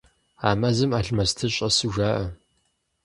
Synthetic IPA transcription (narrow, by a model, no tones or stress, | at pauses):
a̰ːmɐzɨmaːɬmɐstʰɨɕʼɐsɨʒaːʔɐ